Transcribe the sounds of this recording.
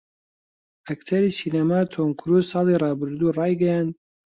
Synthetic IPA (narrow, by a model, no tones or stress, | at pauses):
akt̪ʰɐɾiːsiːnamaːt̪ʰoŋkʰɾusɑːlirˤɑːbɨɾd̪uːrˤɑːjɡɛjaːnd̪